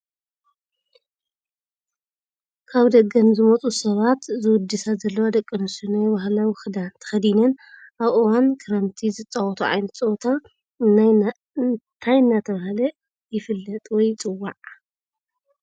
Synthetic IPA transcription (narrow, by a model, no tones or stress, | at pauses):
kʰaβd̪ɐɡɐnzɨmɐt͡sʼusɐβat̪zɨwʊd̪ːɨsazɐlːɐwad̪ɐkʼːɐnɨsɨnajbahlawɪxd̪ant̪ʰɐ̥xɐd̪inɐnʔaβɨwankʰɨɾɐnt̪ʰizɨt͡sʼɐwɔt̪ʰuʕa̰jnɐt̪t͡sʼɐt̪ʰa | ɨna | nt̪ʰajɨnːat̪ʰɐβahlɐ | jɪfɨlːɐt̪ʼwɔjt͡sʼɨwːaʕ